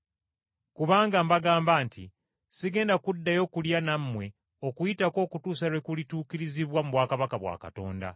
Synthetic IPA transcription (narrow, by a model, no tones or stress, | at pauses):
kuβaːŋɡambaɡaːmbaːntʰi | siɡe̞ːndakudːajo̞ːkuljanamːwe̞ | o̞kujitako̞ːkutuːsaɾekulituːkiɾiziβwamuβwaːkaβakaβwa̰ːka̰to̞̰ːnda̰